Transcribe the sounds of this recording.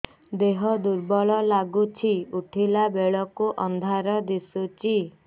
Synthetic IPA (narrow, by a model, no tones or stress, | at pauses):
d̪eɦɔd̪uɾbɔɭɔlaɡut͡ʃʰiuʈʰilabeɭɔkuʔɔnd̪ʱaɾɔd̪isut͡ʃʰi